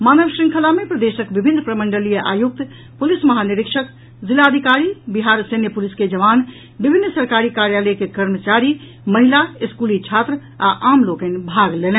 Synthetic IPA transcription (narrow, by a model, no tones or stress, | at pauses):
manəʋsɾĩŋkʰəlamepɾəd̪esəkbibʱinːpɾəməɳɖəlijəʔa̰juk̚t̪ | pulisməɦaniɾɪkʃək | zilaːd̪ʱikaɾibiɦaɾsenjəpulisked͡ʒəʋan | bibʱinːsəɾkaɾikaɾjaləjkekəɾmət͡ʃaɾi | məɦilaiskulit͡ʃʰat̪ɾə | aʔamlokẽnbʱaɡlelɛ̃